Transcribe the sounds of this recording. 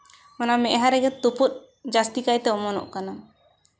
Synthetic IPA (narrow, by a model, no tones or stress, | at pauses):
ɔnamɛʔɦãɾɛɡɛt̪uput̪̚ | d͡ʒast̪ikajt̪ɛɔmɔnɔ̰ʔkana